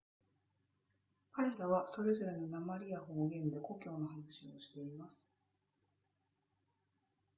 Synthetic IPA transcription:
kaɾe̞ɾaβ̞aso̞ɾe̞zo̞ɾe̞nonamaɾʲiaɦo̞ːɡẽ̞nd̪e̞ko̞kʲo̞ːno̞hanaɕio̞ɕi̥t̪e̞imasɨ̥

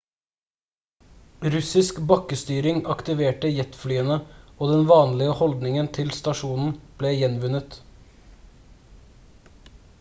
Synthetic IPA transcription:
ɾʉsɪskbɑkəst̪yːɾɪŋɑkt̪ɪʋeːʈəjɛt̪flyːənəoːd̪ɛnʋɑːnlɪəhɔld̪nɪŋənt̪ʰɪlst̪ɑʃuːnn̩b̥leːjɛnʋʉnət̪

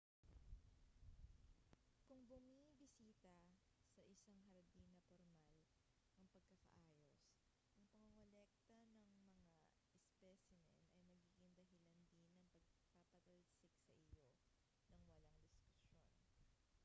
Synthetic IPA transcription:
kʊŋbʊmibɪsiːt̪ɐ | sɐʔɪsaŋɦɐɾd̪inɐpoɾmal | ʔɐŋpɐɡ̚kɐkɐ̰ʔaːjos | ʔɐŋpɐŋoŋolɛk̚t̪ɐnɐŋmɐŋa | ɛspɛsɪmɛ̰nɐjmɐɡiːɡɪŋd̪ɐɦɪland̪inɐŋpɐɡ̚papɐt̪ɐd̪sɪksɐʔɪjo̞ | nɐŋwɐlaŋd̪ɪskʊsjo̞n

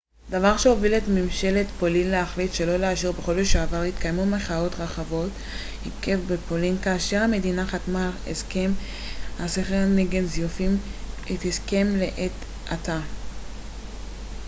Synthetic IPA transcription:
d̪avaʁʃe̞ovilet̪mimʃe̞let̪po̞linleaχlitʃe̞lo̞leaʃiʁbeχo̞loʃeavaʁhit̪kajmumeχao̞t̪ʁaχavo̞t | hike̞fbepo̞linkaːʃe̞ʁhame̞d̪inaχat̪maḛske̞m | haseχeʁneɡenzjufimit̪hiske̞mle̞ʔet̪ | ʔat̪a

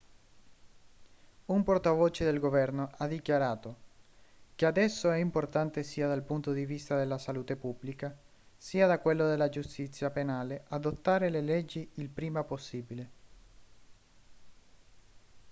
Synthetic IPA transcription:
umport̪avoːt͡ʃed̪elɡovɛrnoʔad̪ːikjaɾaːt̪o | kead̪ɛsːoɛimport̪ant̪esiːad̪alpunt̪od̪ivist̪ad̪elːasaluːt̪epubːlika | siːad̪akwelːod̪elːad͡ʒust̪it̪sːjapenaːleʔad̪ot̪ːaːɾelelɛd͡ʒːiːlpɾiːmaposːiːbile

